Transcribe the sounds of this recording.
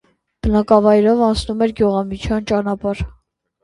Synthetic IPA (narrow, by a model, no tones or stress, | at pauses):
b̥ənɑkɑvɑjɾɔvɑnt͡snumɛɾɡjuʁɑmit͡ʃʰjɑnt͡ʃɑnɑpɑɾ